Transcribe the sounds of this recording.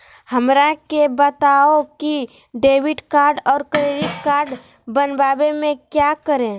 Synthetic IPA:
həmɾakebət̪aoki | ɖeːʋɪʈkaːɾɖɔːɾkɾeɾikːaːɾɖ | bənbaːbemẽkjakəɾẽ

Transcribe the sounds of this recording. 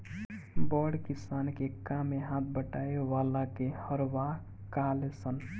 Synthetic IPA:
bɔɖkisankekameɦãt̪̚ʰbəʈaeʋalakehəɾwa | kalesən

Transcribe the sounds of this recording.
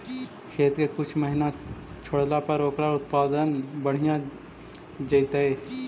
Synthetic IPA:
kʰeːt̪kekʊt͡ʃʰməɦɪnat͡ʃʰoɽlapəɾoːkɾaʊt̪̚paːd̪ənbəɽ̤ɪjã | d͡ʒəɪt̪ee

